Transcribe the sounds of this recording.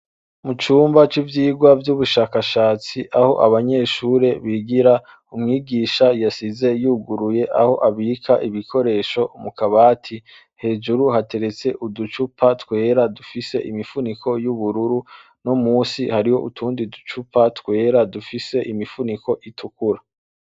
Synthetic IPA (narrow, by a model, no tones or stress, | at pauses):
mut͡ʃuːmbat͡ʃivjiːɡwavjuβuʃaːkaʃaːt͡siʔaho̞̰ʔaβaɲe̞ːʃuːɾe̞βiɡiɾa | umŋiːɡiːʃajasize̞juːɡuɾuje̞ʔaho̞ʔaβiːkʰaʔiβikʰo̞ɾe̞ːʃo̞umukaβaːtʰi | he̞ːd͡ʒuɾuhate̞ɾe̞t͡se̞ʔudut͡ʃupʰatwe̞ːɾadufise̞̰ʔimifunikʰo̞juβuɾuɾu | nomuːsihaɾiho̞̰ʔutʰuːndidu̥t͡ʃupatwe̞ːɾadufise̞ʔimifunikʰo̞ʔitʰukuɾa